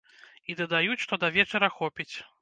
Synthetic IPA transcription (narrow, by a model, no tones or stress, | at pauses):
id̪ɐd̪ajut͡sʲʂt̪ɔd̪ɐvʲɛt͡ʂɐɾɐxɔpʲit͡sʲ